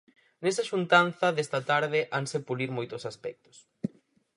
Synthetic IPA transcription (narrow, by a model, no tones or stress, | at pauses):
nesaʃunt̪anθɐðest̪ɐt̪aɾðɪʔaŋsepuliɾmojt̪ʊsaspɛk̚t̪ʊ̥s